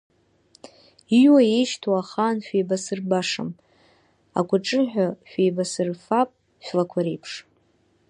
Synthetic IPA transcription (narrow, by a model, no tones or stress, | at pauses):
iwaeʃtʰwaχaːnʃᶣejbasɨrbaʂa̰m | a̰kʷʰʼaʈ͡ʂʼɨħʷᶣaʃᶣejbasɨrfapʼ | ʃʷᶣlakʷʰaɾejpʰʂ